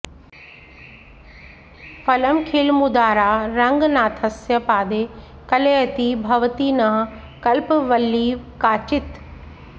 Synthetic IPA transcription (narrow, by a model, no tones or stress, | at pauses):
fɐləmkʰilmʊd̪aːɾaːɾɐ̃ŋɡnaːt̪ʰɐsjəpaːd̪eːkɐleːt̪ibʱɐʋt̪inɐɦ | kɐlpʋɐlːiːʋkaːt͡ʃɪt̪